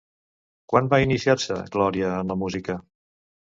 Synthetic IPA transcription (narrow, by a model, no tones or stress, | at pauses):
kwanbainisiarsə̰ɡlɔɾiəːnləmuzikə